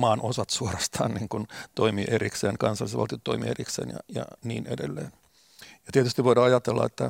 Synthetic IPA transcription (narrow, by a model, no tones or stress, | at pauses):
mɑːnʔosɑt̪suorɑst̪ʰɑ̰ːnniːŋkunt̪oimiːʔerikseːnkɑnsɑlːˑisʋɑ̰lt̪iot̪ːoimḭːeriksḛːnjɑ̰jɑ̰nḭːnedelːeːn | jɑt̪iet̪yst̪iʋʋoidɑɑjɑt̪elːɑ̰et̪ːæ